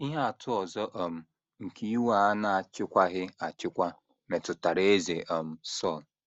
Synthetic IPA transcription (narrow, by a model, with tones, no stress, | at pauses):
i˦ɦa˦a˨tʰʊ˦ɔ˨zɔ˦ʔo˨m̩˦ | ŋ̩˨ki˦wa˨a˦na˨a˨t͡ʃɪ˦kʷa˦ɦɪ˦a˨t͡ʃɪ˦kʷa˦ | me˨tʊ˨ta˨ɾe˦e˦ze˨ʔɔ˨m̩˦sɔ˦˨l